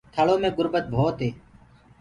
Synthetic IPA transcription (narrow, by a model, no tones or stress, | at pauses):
t̪ʰəɭoːmẽːɡʊɾbət̪̚bʱoːt̪ɦeː